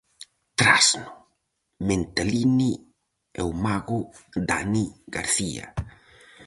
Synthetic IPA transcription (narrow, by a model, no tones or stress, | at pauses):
t̪ɾa̰snʊ | ment̪alini | ɛ̰wmaɣʊd̪aniɡaɾθia̰